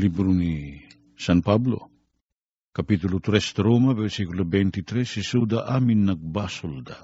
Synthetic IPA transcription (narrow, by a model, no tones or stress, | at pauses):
libɾuni | sanpablo̞̰ | kapitulut̪ɾest̪ɾomaβesikulabentit̪ɾesisudaʔaminːak̚basolda